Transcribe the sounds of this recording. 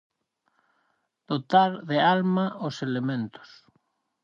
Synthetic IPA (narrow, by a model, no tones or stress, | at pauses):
d̪̥ot̪aɾðealmaoselemẽnt̪o̥s